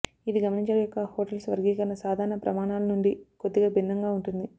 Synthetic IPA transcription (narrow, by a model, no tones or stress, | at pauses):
iʋiɡɐmɐniɲt͡ʃɐɽɐjɔkːɐhoːʈɐlsʋɐɾɡiːkɐnːɐsaːd̪ʱaːɾɐɳɐpɾɐ̰maːɳaːlɐnuɳɖikod̪ːiɡaːbʱinːɐŋɡaːuɳʈund̪i